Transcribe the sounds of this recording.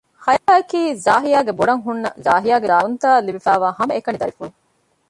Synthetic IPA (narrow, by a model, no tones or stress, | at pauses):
hɐjaːɐkiːzaːɦijaːɡeboɽɐŋɦunːɐzaːɦijaːɡeɾaːunt̪aːlːibifæːʋaːhɐmɐekɐnid̪ɐɾifulu